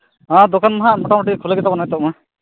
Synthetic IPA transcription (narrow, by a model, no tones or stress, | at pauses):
ãd̪okanmaɦamɔʈamɔʈikʰulaɡɛt̪abɔnajt̪ɔʔma